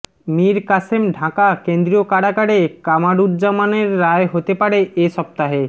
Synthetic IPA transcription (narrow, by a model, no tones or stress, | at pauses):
miɾkasemɖʱakakend̪ɾiokaɽakaɽekamaɽuɾd͡ʑamaneɾːaeɦot̪epaɽeʔeʃɔp̚t̪aɦe